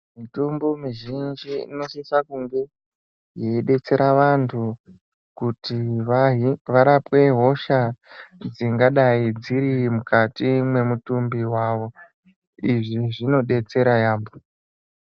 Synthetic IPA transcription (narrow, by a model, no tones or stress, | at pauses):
mitombomiʒind͡ʒiineʃisakuŋɡe̞ | jeiɗe̞t͡se̞ɾaʋantʰu | kuti | ʋaɾapwe̞ɦo̞ʃad͡ziŋɡaɗaid͡ziɾimukatimwe̞mutumbiwaʋo̞ | iʐiʐino̞ɗe̞t͡se̞ɾajaːmbo